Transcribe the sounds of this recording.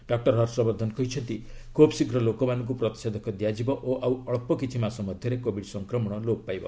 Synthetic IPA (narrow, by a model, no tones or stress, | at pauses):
ɖɔk̚ʈɔɾɦɔɾsɔbɔɾd̪ʱɔnkɔɦit͡ʃʰɔnt̪ikobsikɾɔlokɔmanɔŋk̬upɾɔt̪i̥sed̪ʱɔkʰɔd̪jad͡ʒibɔʔoʔawɔɭpɔkit͡ʃʰimasɔmɔd̪ʱjɔɾekobʱiɖsɔŋkɾɔmɔɽ̃ɔlopajbɔ̰